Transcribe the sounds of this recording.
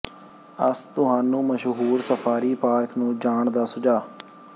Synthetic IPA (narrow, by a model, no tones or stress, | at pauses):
əst̪ʊɦaːnũːməʃɦuːɾsəpʰaːɾiːpaːɾknũːd͡ʒaːɳd̪aːsʊd͡ʒaː